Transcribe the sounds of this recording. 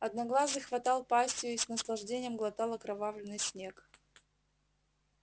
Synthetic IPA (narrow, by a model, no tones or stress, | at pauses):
ɐd̪nɐɡlˠazɨxvɐt̪ɑlˠpasʲtʲɪjʊisnəslˠɐʐdʲenʲɪjəmɡlˠɐt̪alˠɐkɾɐvavlʲɪnːɨjsʲnʲe̞k